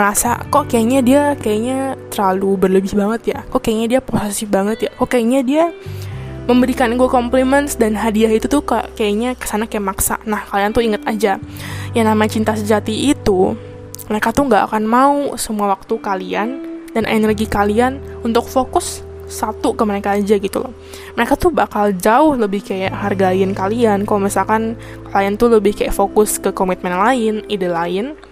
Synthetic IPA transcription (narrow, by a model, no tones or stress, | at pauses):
əɾasa̰kɔʔkajaɲadiakajaɲat̪ərlalubərləbɪhbaŋət̪jakɔʔkajaɲadiaposesibaŋət̪jakɔkajaɲadia | məmbəɾikanɡuakomplimənsdanɦadiaɦit̪ut̪uka̰ʔkajaɲakə̥sanakajamaksa̰nahkaliant̪uiŋət̪ad͡ʒajaŋnamat͡ʃint̪asəd͡ʒat̪iːt̪u | məɾekat̪ʊhŋɡaʔa̰kanmausəmuawak̚t̪ukaliandanʔḛnərɡikalianunt̪ʊk̚fokʊsː | at̪ukəməɾekaːd͡ʒaɡit̪ṵlɔ̰h | məɾekat̪ʊbakald͡ʒaʊhləbɪhkajaʔɦarɡaɪnkaliankalomisalkan | klaant̪uləbɪhkaja̰ʔfokʊskəkomit̪̚mɛnlaɪnidelaɪn